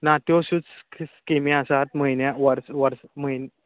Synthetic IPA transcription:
nat̪joɕut͡sskemĩasat̪məinjaʋəɾsʋəɾsməin

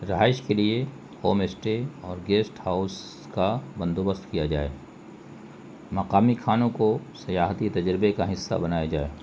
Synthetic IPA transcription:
ɾɐɦaːɪʃkelie | hoːmesʈeɔːɾɡeːsʈhaʊs | kabɐ̃nd̪oːbəst̪kijad͡ʒa̰ːḛː | mɐqaːmikʰaːnõkosɐjaːɦt̪it̪ɐd͡ʒɾɪbekaɦɪsːa̰bɐnaːjad͡ʒaːḛː

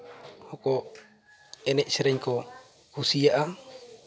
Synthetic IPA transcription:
hɔkɔ | ɛnɛʔsɛɾɛɲkɔ | husiaʔa

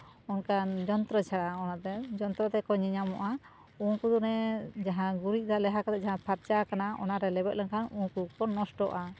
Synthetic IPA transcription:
ɔnkand͡ʒɔnt̪ɾɔt͡ʃʰaɽaɔnat̪ɛd͡ʒɔnt̪ɾɔt̪ɛkɔɲɛɲamɔʔa | ukud̪unɛd͡ʒaɦãɡuɾiʔ̚d̪alɛɦakat̪ɛd͡ʒaɦãpʰaɾt͡ʃakanaɔ̰naɾɛlɛbɛt̪̚lankʰanukupɔːɔsʈɔʔa

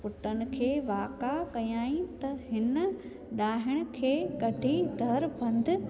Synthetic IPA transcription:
pʊʈənɪ̆kʰeːʋaːkakɐjaːĩt̪ɐɦɪnə̆ | ɗaːɦɪɽ̃ʊ̆kʰeːkɐɖʱid̪ʱɐɾbɐ̃nd̪ʱɪ̆

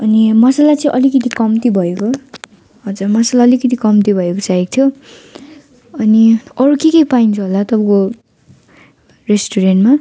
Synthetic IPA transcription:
ʌnimʌsalat͡sʌĩʔʌlikʌt̪ʰikʌmt̪ibʱʌeko | ɦʌd͡zurmʌsalaʌlikʌt̪ʰikʌmt̪ibʱʌekot͡saek̚t̪ʰjo | ʌniʌɾukikejpaint͡sʰuɦolat̪ʌbʌ̃ko | resʈuɾenʈma

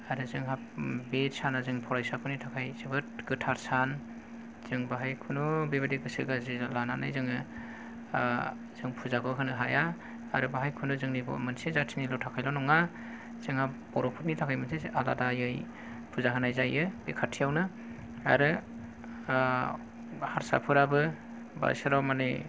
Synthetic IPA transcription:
aɾɯzɯŋɦap̚betsanazɯŋpʰɔɾajsapʰɯnitʰakʰajzebɯt̚ɡɯtʰaɾsan | z̥ɯŋbaɦajkʰunubebadiɡɯsɯɡazilana̰na̰jzɯŋɯ | z̥ɯŋpʰuzaɡʰɯɦɯnɯɦajaː | ɾɯbaɦajkʰunuzɯŋnibɔ̰mɯnsizatʰinilɔwtʰakʰajlɔnɔŋa | z̥ɯŋabɔɾɔpʰut̚nitʰakʰajmɯnsiʔala̰dajɯj | pʰuzaɦɯnajzajɯbekʰatʰijawnɯ | a̰ɾɯ | haɾsa̰pʰɯɾabɯ | ba̰sɯɾawmani

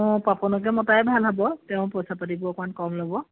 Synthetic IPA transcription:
papɔnɔkɛmɔtajbʱalɦabɔtɛʊ̃pɔjsapatibʊkmankɔmlobɔ

